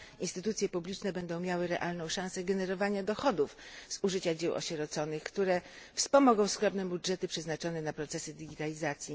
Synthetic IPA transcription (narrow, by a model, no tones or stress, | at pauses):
inst̪ɘt̪ut̪sʲjɛpublʲit͡ʂnɛbɛnd̪ɔ̃w̃mʲjawɘɾɛ̰ʔalnɔ̃w̃ʂãw̃sɛɡɛnɛɾɔvaɲad̪ɔxɔd̪ufz̥uʐɘt͡ɕad͡ʑɛwʔɔ̰ɕɛɾɔt̪sɔnɘxkt̪uɾɛfspɔmɔɡɔ̃w̃skɾɔbnɛbudʐɛt̪ɘpʂɛznat͡ʂɔnɛnapɾɔt̪sɛsɘd̪ʲiɡʲit̪alʲizat̪sʲji